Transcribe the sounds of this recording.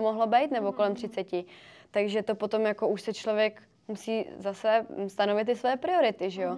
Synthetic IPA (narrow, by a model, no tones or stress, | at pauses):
omoɦlobɛjt̪nɛbo̞ko̞lɛmt̪r̥ɪt͡sɛcɪ | t̪aɡʒɛt̪o̞pot̪o̞mjako̞uʃsɛt͡ʃlo̞vjɛk | musiːzasɛɛst̪anovɪt̪ːɪsvojɛpɾɪo̞ɾɪt̪ɪʒɛjo